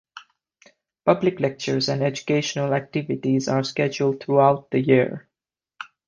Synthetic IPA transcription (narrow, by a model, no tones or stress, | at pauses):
pʌblɪklɛk̚t͡ʃəɹzæ̃nɖɛd͡ʒukeɪʃənəlæk̚tɪvɪʈizaɹskɛd͡ʒuld̚t̪ʰɹuaʊt̪̚ðəjiɹ